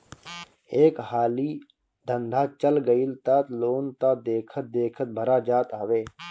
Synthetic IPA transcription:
eːkhaːliː | d̪ʱə̃nd̪ʱaːt͡ʃəlɡəilt̪aːt̪loːnt̪aːd̪eːkʰət̪̚d̪eːkʰət̪̚bʱəɾaːd͡ʒaːt̪aːʋeː

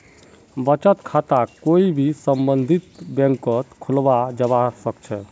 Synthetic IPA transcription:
bət͡ʃət̪kʰat̪akoibʱisəmbənd̪ʱit̪bɛ̃ŋkət̪kʰulbad͡ʒəβasəkt͡ʃʰɛ

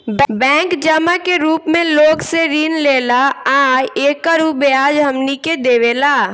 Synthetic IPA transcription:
bbɛ̃ːŋkd͡ʒəmakeɾuːpmẽloːɡseɾiːnleːlaaːeːkːəɾubeaːd͡ʒɦəmniked̪eːʋelaː

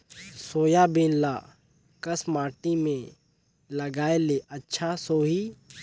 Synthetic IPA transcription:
soːjabẽːnlaː | kɐsmaːʈimẽ | lɐɡaːeleʔɐtːʃʰasoːɦiː

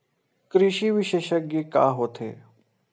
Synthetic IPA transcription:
kɾɪʃiːʋɪʃeːʃək̚ɡeka̰ːɦoːt̪ʰḛː

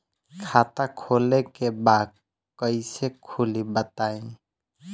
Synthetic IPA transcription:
kʰat̪akʰolekebad̪̚ | kəɪsekʰulibət̪aĩ

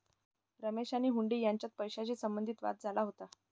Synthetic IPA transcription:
ɾəmeɕaniːɦuɳɖiːjaɲt͡ɕjat̪̚pəjɕat͡ɕiːsəmbənd̪ʱiːt̪ʋa̰t̪̚d͡zʱalaɦot̪a

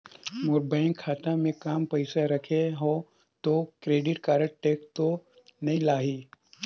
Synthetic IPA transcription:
moːɾbaːɪ̃ŋkkʰːaːt̪ãmẽkaːmpɐɪsaɾɐkʰeɦõ | t̪okɾeːɖɪʈkaːɾəʈ̚ʈeːk̚t̪o | nɐɦĩlaːɦiː

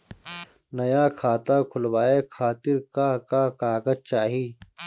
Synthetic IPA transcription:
nɐjaːkʰaːt̪aːkʰʊlwaːekʰaːt̪ɪɾkakaːkaːkɐzt͡ʃaːɦiː

